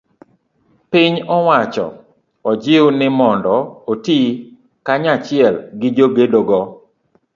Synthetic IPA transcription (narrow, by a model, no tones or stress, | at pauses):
pɪɲɔwat͡ʃɔ̰ | ɔd͡ʒɪʊnɪmɔndɔoti | kaɲat͡ʃɪɛlɡɪd͡ʒoɡedoɡɔ